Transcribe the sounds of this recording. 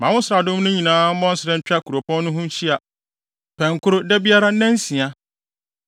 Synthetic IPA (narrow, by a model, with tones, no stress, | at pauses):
mã˨wʊ̃˦sɪɾa˨dʊ̃˦m˦nʊ̃˦ɲĩ˨nãː˦m̩˦bɔ̃˦n˦sɪ˨ɾɛ̃˦n̩˨t͡ɕᶣa˦kʰu˨ɾo˨pʰɔ̃˦nː˦ʊ̃˦ɦʊ̃˦n˦t͡ɕʰi˦a˨ | pʰɛ̃˨ŋ˨kʰʊ˦ɾʊ˦dɛ˦bi˦a˦ɾa˦nɛ̃˦n˦sĩ˨a˦